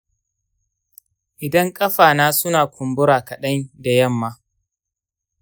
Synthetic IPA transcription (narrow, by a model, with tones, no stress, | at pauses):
ʔɪ˨dɐ˦ŋkʼɐ˦ɸaː˨naː˦sʊ˦naː˨kʷʰʊ˨mbʊ˦ɾaː˨kɐ˨ɗɐ˦nda˨jɐ˦˨mːaː˦